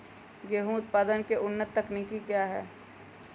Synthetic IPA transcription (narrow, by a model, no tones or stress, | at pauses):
ɡeːɦũʊt̪̚paːd̪ənkeʔʊnːət̪ːəknikikjaːɦɛː